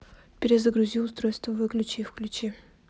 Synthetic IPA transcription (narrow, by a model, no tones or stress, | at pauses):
pʲɪɾʲɪzəɡɾʊzʲilˠʊst̪ɾo̞jst̪vəvɨklʲʉt͡ɕifklʲʉt͡ɕi